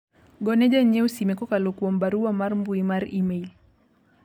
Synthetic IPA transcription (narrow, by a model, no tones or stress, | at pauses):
ɡɔnɛʄaɲɛusimɛkɔkalɔkuɔmbaɾuamaɾmbuimaɾimail